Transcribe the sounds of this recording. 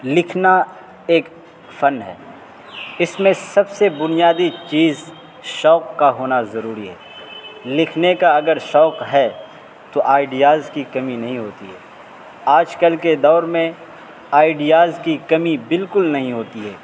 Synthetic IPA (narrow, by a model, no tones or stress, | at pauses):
lɪkʰna | eːk | fɐnɦɛ̰ː | ɪsmẽsɐbsebʊnijaːd̪it͡ʃiːz | ʃɔːkːaɦoːnazɐɾuːɾiɦɛ̰ːlɪkʰnekaɐɡəɾʃɔːkɦɛː | t̪oʔaːɪɖijaːzkikɐminɐɦĩɦoːt̪iɦɛː | aːd͡ʒkəlked̪ɔːɾmẽ | aːɪɖijaːzkikɐmibɪlkʊlnɐɦĩɦoːt̪iɦɛː